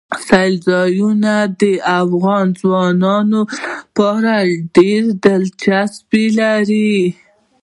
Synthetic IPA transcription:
sajlzɑjunad̪əʔafɣɑnzwɑnɑnopɑɾaɖeɾd̪əlt͡ʃasbilaɾi

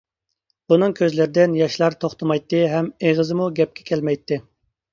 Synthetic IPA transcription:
b̥unɨŋkʲʰøzlɪɾɪd̪ɪnjɑʃlˠɑɾt̪ʰoχt̪əmɑjt̪ʰːɨɦɛmeʁəzɨmuɡʲɛp̚kʲʰɛ̥kʲʰɛlmɛjt̪ːɪ

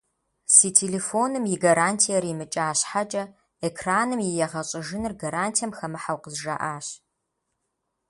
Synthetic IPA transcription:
siːtʰeleːfoːnɨmjɪɡaɾaːntʰijɐɾimɨt͡ʃʼaːɕħat͡ʃʼɐ | ekʰraːnɨmjɪjɛʁɐɕʼɪʒɪnɨrɡaɾaːntʰijɐmxɐmɨħawqəzʒa̰ʔaːɕ

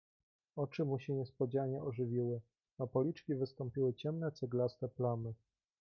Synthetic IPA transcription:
ɔt͡ʂɘmuɕɛɲɛspɔd͡ʑaɲɛɔʐɘvʲiwɘ | apɔlʲit͡ʂkʲivɘst̪ɔmpʲiwɘt͡ɕɛmnɛt̪sɘɡlast̪ɛplamɘ

